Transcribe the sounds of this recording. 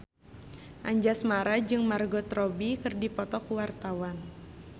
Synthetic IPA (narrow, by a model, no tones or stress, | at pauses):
ʔaɲd͡ʒasmaɾad͡ʒɨŋmarɡɔt̪rɔbikɨrdipɔt̪ɔkuwart̪awan